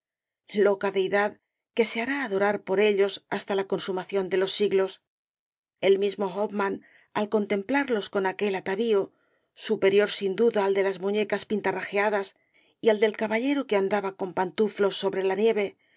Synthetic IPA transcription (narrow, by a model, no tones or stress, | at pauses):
lo̞kaðe̞iðað | ke̞se̞aɾaːðo̞ɾaɾpo̞ɾe̞ʎo̞sast̪alako̞nsumaθjo̞nd̪e̞lo̞sːiɣlo̞s | e̞lmizmo̞ɣopman | alko̞nt̪e̞mplaɾlo̞sko̞nake̞lat̪aβio | supe̞ɾjo̞ɾsind̪uðaːld̪e̞lazmuɲe̞kaspint̪araxeaðas | iald̪e̞lkaβaʎe̞ɾuke̞and̪aβako̞mpant̪uflo̞sːo̞βɾe̞lanje̞βe̞